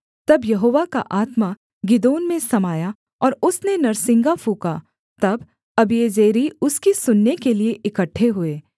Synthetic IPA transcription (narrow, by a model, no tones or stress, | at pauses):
t̪ɐbjɐɦoːʋaka̰ʔaːt̪ma | ɡɪd̪oːnmẽsɐmaːja | ɔːɾʊsnenɐɾsɪ̃ŋɡafuːkaː | t̪ɐb | ɐbieːd͡ʒeːɾiʊskisʊnːekelieʔɪkəʈʰːeɦʊeː